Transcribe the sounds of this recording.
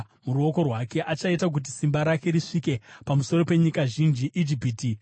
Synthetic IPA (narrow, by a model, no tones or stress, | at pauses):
muɾuo̞ko̞rwake̞ʔat͡ʃaitak̬ut̬isimbaɾake̞ɾiʂike̞pamuso̞ro̞pe̞ɲikaʒind͡ʒiʔid͡ʒipiːti